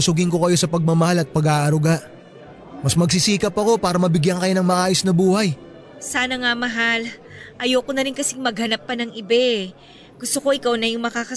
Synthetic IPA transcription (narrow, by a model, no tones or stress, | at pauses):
sʊɡɪŋko̞kɐjo̞sɐpɐɡ̚mɐmɐhalɐt̪̚pɐɡaːʔɐɾʊɡaʔ | mɐsmɐɡsɪsiːkɐpːɐko̞paːɾɐmɐbɪɡjankɐjo̞nɐŋmɐʔaːjo̞snɐbuːhɐj | saːnɐŋamɐɦal | ʔɐjoːkonɐɾɪnkɐsɪŋmɐɡ̚hɐnapːɐnɐŋɪbɛ | ɡ̥ʊst̪oko̞ʔɪkawnɐjʊŋmɐkakɐ